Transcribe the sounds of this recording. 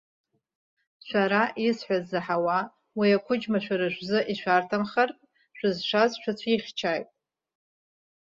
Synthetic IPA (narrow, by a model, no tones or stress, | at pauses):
ʃʷaɾaʔisħʷᶣazɨħawa | wiakʷʰʊd͡ʒmaʃᶣʷaɾɨʒʷzɨʔiʃʷᶣartʰamχartʼ | ʃᶣʷʊzʃʷazʃᶣʷat͡ɕʷʰiχʲt͡ʃʰaːjtʼ